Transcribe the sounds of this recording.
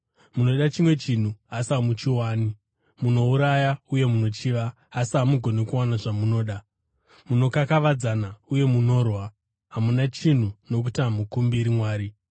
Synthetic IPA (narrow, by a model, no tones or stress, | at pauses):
muno̞ɗat͡ʃimwe̞t͡ʃin̤uasamut͡ʃiwaːni | muno̞uɾajauje̞muno̞t͡ʃiʋa | ɦasiɦamuɡʱo̞ne̞kuwanaʐamuno̞ːɗa | muno̞kakaʋad͡zanauje̞muno̞ːrwa | ɦamunat͡ʃin̤uno̞k̬utiɦamukumbiɾimwaːɾi